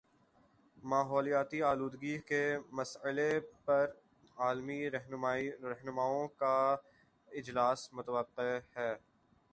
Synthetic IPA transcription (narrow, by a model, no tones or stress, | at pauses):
maːɦɔːlijaːt̪iaːluːd̪ɡiɦkemɐsəlepɐɾ | aːlmiɾɐɦɾɐɦnʊmaːõka | ɪd͡ʒlaːsmʊt̪əʋəqːehɛː